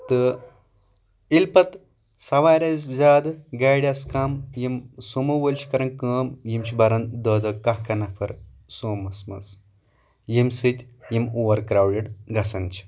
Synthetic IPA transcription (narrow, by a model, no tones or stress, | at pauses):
t̪ɨ | ilpɐt̪ | sɐʋaːɾʲɐzzʲaːd̪ɡaːjɽʲɐskaːmjimsomɐʋəlʲt͡ʃʰi̥kɐɾɐnkəːmjimt͡ʃʰibɐɾɐnd̪əːd̪ɐkaɦkɐnɐpʰɐɾ | soːmɐsmɐ̰s | jimsɨt̪ʲjimoːʋɐɾkɾaːwɖiɖɡɐsɐnt͡ʃʰi̥